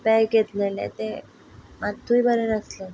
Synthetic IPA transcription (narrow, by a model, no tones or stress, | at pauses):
pɛjket̪lelḛt̪e | mat̪ʰːuibʱəɾenəslə